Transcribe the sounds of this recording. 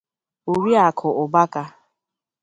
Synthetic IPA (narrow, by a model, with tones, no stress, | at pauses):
o˨ɾi˦a˨kʰʊ˨ʔʊ˨ba˦ka˦